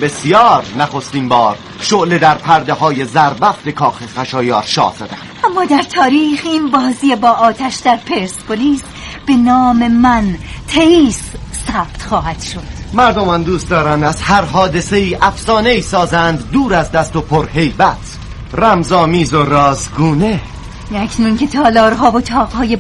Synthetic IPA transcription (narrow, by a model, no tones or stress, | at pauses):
be̞sijɒːɾnæχo̞st̪iːnbɒːɾ | ʃoʔle̞d̪æɾpʰæɾd̪eɦɒːje̞zæɾbæft̪e̞kʰɒːxexæʃɒːjɒːɾʃɒ̰ːz̥æd̪æn | æmːɒːd̪æɾt̪ʰɒːɾiːχiːnbɒːziːjebɒːʔɒːt̪ʰæʃd̪æɾpʰeɾspʰoliːs | b̥e̞nɒːme̞mænt̪ʰeiːsːæb̥t̪χɒːhæd̪̥ʃo̞d̪̥mæɾd̪omænd̪uːst̪d̪ɒːɾænd̪æzhæɾɦɒːd̪e̞seiːʔæfsɒːneiːsɒːzænd̪ːuːɾæzd̪æst̪opʰoɾhe̞jbæt̪ʰ | ræmzɒːmiːzoɾɒːzɡuːne | nækʰnuncʰe̞t̪ʰɒːlɒːɾɦɒːvot̪ʰɒːʁhɒːje